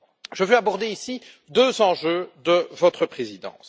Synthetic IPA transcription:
ʒ̥əvɛabɔʁd̪eisi | d̪øːzɑ̃ʒød̪əvɔt̪χəpχezid̪ɑ̰̃ːs

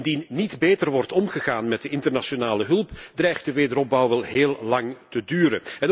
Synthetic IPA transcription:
ndinːitbeːtərʋɔrtɔmχəɣaːnmɛt̚dəʔɪntərnaʃonaːləɦɵlˠpdrɛjχt̚dəʋeːdəɾɔb̚bɑwʋɛlˠɦeːlˠlɑŋtədyːɾənɛn

